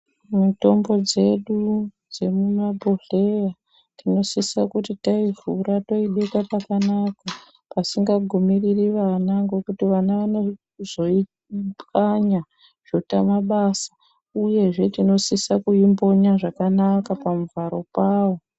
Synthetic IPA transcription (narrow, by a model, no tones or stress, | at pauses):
muto̞mbo̞d͡ze̞ɗud͡ze̞mumabʱoɮe̞ja | tino̞sisakutitaivʱuɾato̞iɗekapakanaka | pasiŋɡaɡʱumiririʋanaŋɡe̞kutiʋanaʋano̞ | zo̞i | pkaɲa | ʐ̥otamaɓaːsḁ | uje̞ʐe̞tino̞sisakuimbo̞ɲaʐakanakapamuvaɾo̞paːʋo̞